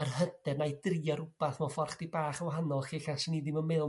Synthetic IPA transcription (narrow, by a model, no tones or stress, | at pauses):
ərhəd̥ɛrnajd̥riaɾʊb̥aθmɔfɔrχd̥ibaːχawɦanɔlˠχiːɬasənidɪməmeðˠ